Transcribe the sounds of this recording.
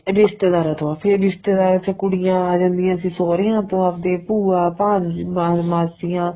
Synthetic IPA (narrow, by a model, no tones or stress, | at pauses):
ɾɪst̪ed̪aːɾaːt̪õãːpʰɪɾɾɪst̪eːd̪aːɾət̪ːkʊɽɪjãːaːd͡ʒãːnd̪ɪjãːəsĩːsoːɾejãːt̪õːapd̪eːpuːaːpãːd͡ʒmaːmaːsɪjãː